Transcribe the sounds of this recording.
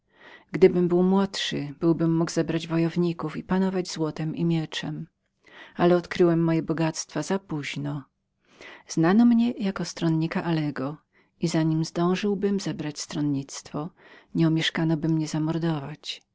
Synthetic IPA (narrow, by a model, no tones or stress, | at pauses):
ɡd̪ɘbɘmbɘwmwɔtʂɘb̥ɘwbɘmːuɡzɛbɾad͡ʑvɔjɔvɲikufipanɔvad͡ʑzwɔt̪ɛmimʲjɛt͡ʂɛm | alɛɔt̪kɾɘwɛmːɔjɛbɔɡat̪st̪fazapuʑnɔ | z̥nanɔmɲɛjakɔst̪ɾɔnɲikaʔalɛɡɔ | izaɲimzd̪ɔ̃w̃ʐɘwbɘmzɛbɾat͡ɕst̪ɾɔnɲit̪st̪fɔɲɛumʲjɛʂkanɔbɘmɲɛzamɔɾd̪ɔvat͡ɕ